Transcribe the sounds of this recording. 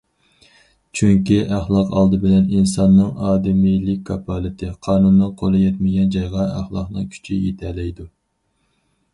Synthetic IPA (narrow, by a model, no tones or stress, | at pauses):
t͡ʃʰyŋkʲiʔæχlˠɑqʰɑlˠd̪ɨbɪlɛninsɑnːɨŋɑːd̪ɪmijlɪk̚ʲkʰːɑpʰɑlˠɪt̪ʰɪqʰɑːnunːɨŋqʰolˠɨjɛt̪mɪɡʲɛnd͡ʒɑjʁɑæχlˠɑqnɨ̰ŋkʲʰy̥t͡ʃʰijet̪ʰɛlɛjd̪u